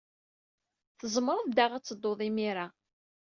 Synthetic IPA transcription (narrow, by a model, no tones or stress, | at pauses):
θəzˤməɾˤəðd̪aʁæt͡sːəd̪ːoðˤimiɾa